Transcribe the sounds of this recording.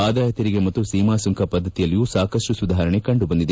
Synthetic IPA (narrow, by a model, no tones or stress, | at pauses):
aːd̪ʱaːjɐt̪ɐɾiɡemɐt̪ːusiːmaːsuŋkʰɐpɐd̪ʱːɐt̪ijɐlːijuːsaːkɐʂʈusud̪aːɦɾɐɳekɐɳɖubɐnd̪id̪e